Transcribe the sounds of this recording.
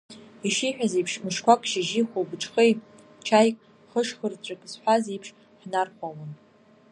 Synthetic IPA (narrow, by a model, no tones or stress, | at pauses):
iʂiħᶣazejpʰʂmɨʂkʷʰakʷʼʃɪʒiχʷobɨʈ͡ʂʰʼχej | t͡ʃʰajkʼ | χəʂχərt͡ɕʷʼakʼzħʷazejpʰʂ | ħnarkʷʰawan